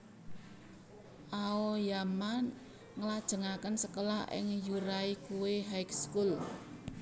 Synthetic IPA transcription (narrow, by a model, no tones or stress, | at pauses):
ʔaojaman | ŋəlad̥ʒ̥ə̤ŋakənsəkəlaɦɪ̰ŋjuɾaikuweɦajkskul